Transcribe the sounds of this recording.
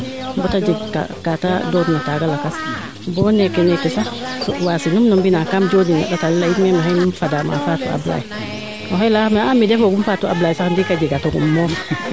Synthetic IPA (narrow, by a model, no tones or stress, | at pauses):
botad͡ʒiɡka̰katadodnataɡalakas | boːnekenekesaswasinumnɔmbinakamd͡ʒodina̰datalilaimemahenumfadama̰fatṵa̰bla̰ji | oɦelahmeamidefoɡumfatua̰blaːjisakndikaɟiɡatoɡṵmmof